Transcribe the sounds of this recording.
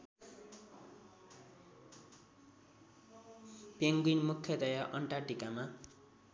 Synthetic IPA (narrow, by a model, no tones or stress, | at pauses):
peŋɡwinmukʰːjʌd̪ʌjaʔʌɳʈaʈikama